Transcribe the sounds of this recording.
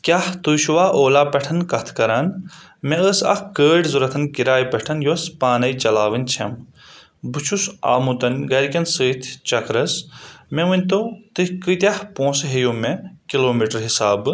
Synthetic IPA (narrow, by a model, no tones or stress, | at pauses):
kʲaht̪uːʃuʋaːʔoːlaːpɐʈʰɐnkɐt̪ʰkɐɾaːn | meəsɐ̰kkəːʈzuɾɐt̪ʰɐnkiɾaːjpɐʈʰɐnjospaːnɐjt͡ʃɐlaːʋɨnʲt͡ʃʰɐ̰m | bɨt͡ʃʰusa̰ːmut̪ɐnʲɡɐɾikʲɐnsɨːt̪ʰt͡ʃɐkɾɐsmeʋɨnʲt̪ot̪ɨhkɨt̪ʲjɐhpõːsɦejoːmekiloːmiʈɐɾɦisaːbɨ